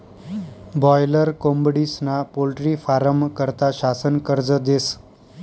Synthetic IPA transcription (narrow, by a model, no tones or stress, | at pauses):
bɔjləɾkombɽisnapolʈɾifaɾəmkəɾt̪aʃasənkəɾd͡zəd̪es